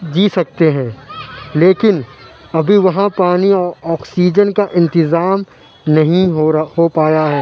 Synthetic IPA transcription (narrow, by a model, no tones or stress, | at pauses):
d͡ʒiːsɐk̚t̪eɦɛ̃ːleːkɪn | ɐbʱiʋɐɦãpaːniɔːɾɔːksiːd͡ʒənkaʔɪ̃nt̪ɪzaːm | nɐɦĩɦopaːjaɦɛː